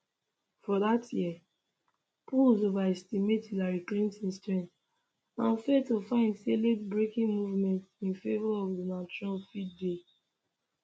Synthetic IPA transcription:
fɔðatjiɛ | pʰulzovaɛstimetidaɹiklĩntĩnstɹɛ̃n | ãnfɛdtufãɪ̃ndseletbɹekĩŋmuvmɛ̃ntĩnfevɔɔvdənat͡ʃɔnalfid̚de

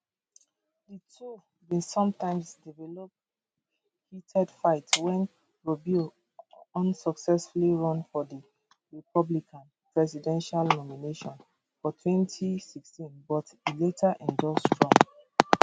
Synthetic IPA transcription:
ditʰu | bĩnsɔ̃mtʰãɪ̃msdivɛlɔp̚ | hitʰɛdfaɪtwɛ̃n | ɹɔbu | ɔ̃nsɔksɛsfuliɹɔ̃nfɔdi | ɹipɔblikʰãn | pɹɛsidɛ̃nʃalnɔmineʃɔ̃n | fɔtʰwɛ̃ntʰisikstĩnbɔtiletʰaʔɛ̃ndɔsdɹɔ̃m

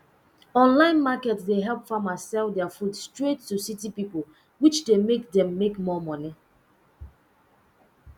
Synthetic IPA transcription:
ɔ̃nlãɪ̃nmakɛtsdeɦɛlˠpfamazsɛlˠdɛafudstɹetːusitipipol | wit͡ʃdemekdɛ̃mːekmɔmɔni

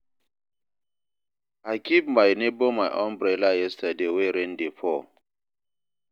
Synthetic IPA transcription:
akipmajnebomajʔɔnbɾelajestadeweɾendefɔ

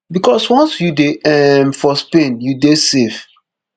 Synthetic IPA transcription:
bikɔswɔ̃nsjudeɛmfɔspẽnjudesef

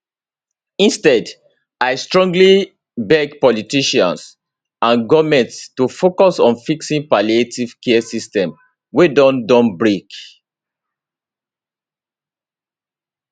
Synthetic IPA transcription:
ĩnstɛd | aɪstɹɔ̃ŋɡli | bɛɡpɔlitiʃã̰ns | ãnɡɔmɛ̃nttufokɔsɔ̃nfiksĩnpalietiv̥kɛɛsistɛ̃m | wedɔ̃ndɔ̃nbɹek

